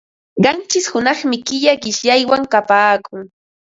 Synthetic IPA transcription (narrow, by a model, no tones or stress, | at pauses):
ɢɑnt͡ʃɪshʊnɑχmɪkɪʎaɢɪʃʎajwaŋkapaːkʊŋ